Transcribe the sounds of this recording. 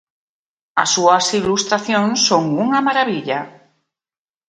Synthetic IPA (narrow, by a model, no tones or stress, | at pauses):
a̰sːuasilust̪ɾaθjõnsːõŋuŋamaɾaβiʎa